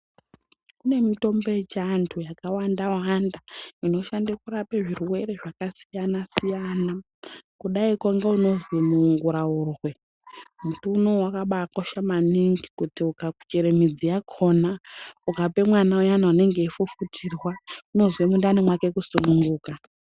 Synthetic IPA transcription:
kune̞mito̞mbo̞et͡ʃantʰujakawandawandaino̞ʃandakuɾapeʐirwe̞ɾe̞ʐakasijanasijana | kuɗaikoŋɡeuno̞zwimuŋɡuɾaurwe̞ | mutunowakaɓaːkoʃamaniŋɡikutiukaku̥t͡ʃeɾemid͡zijakʰo̞naukape̞mwanaujanaune̞ŋɡe̞ifufutʰirwauno̞zwemundanemwake̞kusunuŋɡuːka

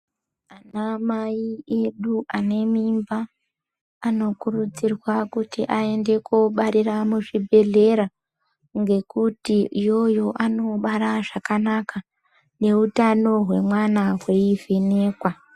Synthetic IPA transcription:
anamaie̞ɗuʔane̞mimbaː | no̞kurud͡zirwakutiʔae̞nde̞kuɓaɾiramuʐibʱe̞ɮe̞ɾa | ŋɡe̞kutiijo̞jo̞ʔano̞ɓaɾaʐakanakʰa | ne̞utano̞ɦwe̞mwanaɦwe̞ivene̞ːkwa

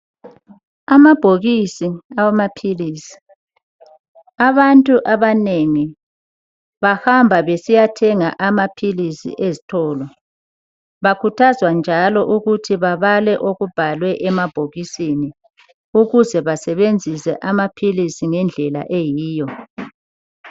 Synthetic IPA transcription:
amab̥ʱoɣisiawamapʰiliːsi̥ | aβantʼuʔaβaneŋi | βahambʱaβesijatʰɛŋaʔamapʰilisḭʔezitʰɔːlɔ | βakʰutʰazwand͡ʒʱalɔʔuɣutʰiβaβalɛʔoɣub̥ʱalwɛʔɛmab̥ʱoɣisini | uɣuzɛβasɛβend͡zʱisɛ̰ʔamapʰilisiŋɛnd͡ɮʱɛla̰ʔejiːjɔ

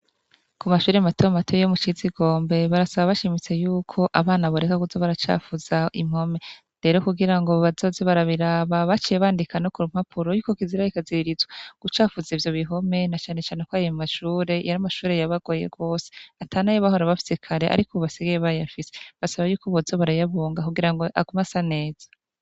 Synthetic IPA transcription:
kumaʃuːɾematematʰojomut͡ʃiziɡo̞ːmbe̞βaɾasaβaβaʃimit͡se̞juːkʰo̞ʔaβaːnaβoɾekakuzoβaɾat͡ʃa̰ːfuzaḭm̥ho̞me̞ | ɾe̞ɾo̞kuɡiɾaŋɡo̞βazo̞ːzeβaɾaβiɾaːβaβat͡ʃijeβaːndikanokuɾum̥hapʰuɾo̞juːko̞kiziɾajikaziiɾizwaɡ̥ut͡ʃaːfuzivjo̞βiɦo̞me̞nat͡ʃaːne̞t͡ʃaːne̞kwaːjomaʃuːɾe̞jaɾamaʃuːɾe̞jaβaɡ̥o̞je̞̰ɡo̞ːseatʰaːnajoβahoɾaβafi̥sekʰaɾeʔa̰ɾikoβaseɡejeβajafise̥βasaβajuːkoβozoβaɾajaβoːŋɡakuɡiɾaŋɡoʔa̰ɡumasane̞ːz̥ḁ

